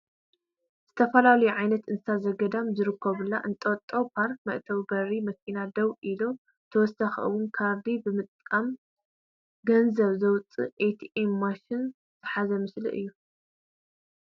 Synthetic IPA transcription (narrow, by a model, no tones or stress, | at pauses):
z̥ɨt̪ʰɐfɐlalɐjuʕajnɐt̪ʔɨnsazɐɡɐd̪amzɨɾɨkʰːɐβɨlːaʔɨnt̪ʼɐt̪ʼːɐwpʰaɾk̚mɐʔt̪ʰɐwɡɐɾimɐkʰinad̪ɐwʔilo | t̪ʰɐwɔsaxɨ̰wʊnkʰaɾd̪ibɨmɨt̪ʼkʼam | ɡɐnzɐβzɐwt͡sʼːɨ̰ʔejt̪ʰiemːaʃɪn | z̥ɨħazɐmɨslḭʔɨ̰jːu